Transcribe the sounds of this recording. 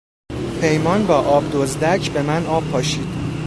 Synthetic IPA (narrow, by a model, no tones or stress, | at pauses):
pʰe̞jmɒːnbɒːʔɒːbd̪ozd̪æcʰbe̞mænɒːbʰɒːʃiːd̪̥